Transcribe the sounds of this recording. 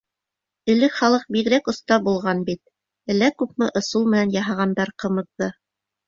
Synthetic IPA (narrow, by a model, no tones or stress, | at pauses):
ɘ̆lɘkχɑlˠɤq̚biɣɾækŏst̪ɑbulˠʁɑnbit̪̚ | ɘ̆lːækʉp̚mɘʔŏsulˠmɘ̆nænjɑɦɑʁɑnd̪ɑɾqɤ̆mɤ̆ðːɤ